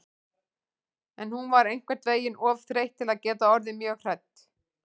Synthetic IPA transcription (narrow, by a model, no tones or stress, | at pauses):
ɛnhunvaɾejŋ̥kvɛɾt̪veːjɪnɔvθɾejht̪ʰːɪlaðcɛːt̪aɔɾðɪmjœːɣr̥ajt̪